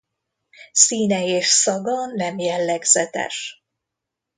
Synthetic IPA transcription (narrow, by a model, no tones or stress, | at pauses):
siːnɛeːʃsɒɡɒnɛmjɛlːɛɡz̥ɛt̪ɛ̰ʃ